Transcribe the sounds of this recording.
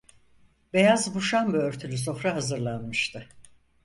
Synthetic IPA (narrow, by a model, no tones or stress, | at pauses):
be̞jazbuʃanbɯøɾt̪ʰylʲys̬o̞fɾaɦazɯɾlˠanmɯʃt̪ʰɯ